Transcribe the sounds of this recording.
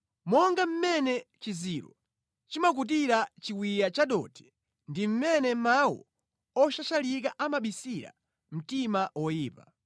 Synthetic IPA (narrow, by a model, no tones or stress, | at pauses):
mɔŋɡam̩mɛnɛt͡ʃiziɾɔ̰ | t͡ʃimak̬ut̬iɾat͡ʃiwijat͡ʃaɗɔtʰɛ̥ | ndim̩mɛnɛmawɔ̰ | ɔʃat͡ʃalik̬aʔamaɓisiɾa̰ | m̩timawɔjiːpa